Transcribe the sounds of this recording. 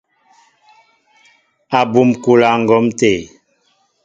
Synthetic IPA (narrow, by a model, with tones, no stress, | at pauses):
a˨bu˨mku˨la˨ŋ̩˨ɡɔ˨˦mte˨